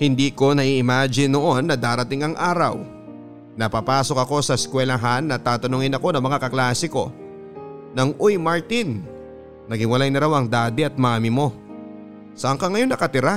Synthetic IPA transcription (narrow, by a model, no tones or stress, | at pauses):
hɪnd̪iːko̞nɐʔiʔɪmaːd͡ʒɪnːoʔo̞nːɐd̪aːɾɐt̪ɪŋɐŋʔaːɾɐ̰w | nɐpapaːso̞kɐko̞sɐskwɛlɐɦanːɐt̪aːt̪ɐnʊŋɪnɐko̞nɐŋmɐŋakɐklaːsɪko̞̰ | nɐŋʔojmaɹt̪inː | ɐɡhɪwɐlajnɐɾawɐŋd̪aːd̪ɪʔɐt̪̚mamɪmo̞ | sɐʔɐŋkaŋɐjo̞nːɐkɐt̪ɪɾa